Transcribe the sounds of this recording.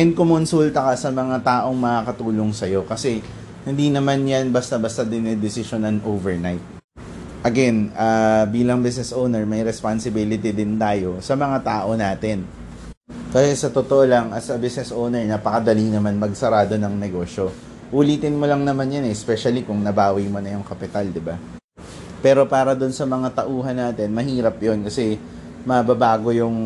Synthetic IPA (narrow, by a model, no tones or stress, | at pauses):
ɛnkʊmʊnsuːlt̪ɐkɐsɐmɐŋat̪aːʔo̞ŋmɐkakɐt̪uːloŋsɐjo̞kɐsɛ | hɪnd̪inɐmanjanbɐst̪ɐbast̪ad̪ɪnɛd̪ɪsɪʃonɐŋʔoːvɛɹnajt̪̚ | ʔɐɡɛnaːbiːlɐŋbɪsnɛsʔownɛɹmɐjɾɛspansɪbilɪt̪ɪd̪ɪnt̪aːjo̞sɐmɐŋat̪aːʔo̞naːt̪ɛn | kɐsɛsɐt̪ot̪oʔolɐŋʔɐsɐbɪsnɛsʔownɛɹnaːpɐkɐd̪ɐliŋnɐmanmɐɡsɐɾaːd̪o̞nɐŋnɛɡo̞ːʃo̞ | ʔuliːt̪ɪnmolɐŋnɐmanjɐnɛspɛʃɐlikʊŋnɐbaːwijmonɐjʊŋkɐpɪt̪ald̪ɪba | pɛːɾo̞paːɾɐd̪ʊnsɐmɐŋat̪ɐʔuːɦɐnːaːt̪ɪnmɐɦiːɾɐpjo̞nkɐsɛ | mɐbɐbaːɡo̞jʊŋ